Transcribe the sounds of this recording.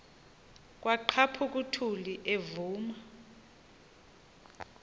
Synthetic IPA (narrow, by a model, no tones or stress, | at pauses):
k̬ʼwaǃʰapʰuk̬ʼutʰuliʔevuːma